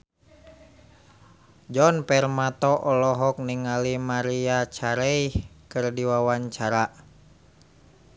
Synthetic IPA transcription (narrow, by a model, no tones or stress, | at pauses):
d͡ʒɔnpɛrmat̪ɔʔɔlɔɦɔk̚niŋalimaɾiat͡ʃaɾɛihkɨrdiwawaɲt͡ʃaɾa